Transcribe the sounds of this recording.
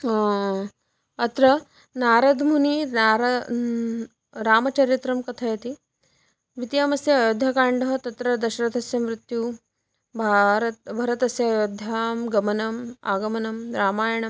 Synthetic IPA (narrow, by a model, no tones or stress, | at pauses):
ɐt̪ɾɐ | naːɾɐd̪mʱuniaɾɐ | ɾaːmɐt͡ʃɐɾit̪ɾɐmkɐt̪ʰɐjɐt̪i | ʋit̪jaːmɐsjɐjod̪ʱɐkaːɳɖɐɦɐt̪ɐt̪ɾɐd̪ɐʃɐɾɐt̪ɐsjɐmɾɪt̪ju | bʱaɾɐt̪bʱɐɾɐt̪ɐsjɐjod̪ʱːaːmɡɐmɐnɐmaːɡɐmɐnɐmɾaːmaːjɐɳɐm